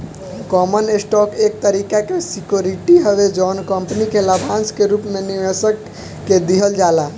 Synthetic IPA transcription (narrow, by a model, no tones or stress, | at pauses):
kɔmənesʈɔkek̚t̪əɾikakesikjoɾiʈiɦəbed͡ʒɔnkəmpnikeləbʱãnskeɾupmeniʋesəkː | ed̪iɦəld͡ʒala